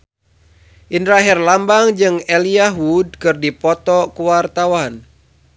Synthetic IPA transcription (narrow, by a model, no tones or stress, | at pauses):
ʔindɾaɦɛrlambaŋd͡ʒɨŋɛliaɦud̚kɨrdipɔt̪ɔkuwart̪awan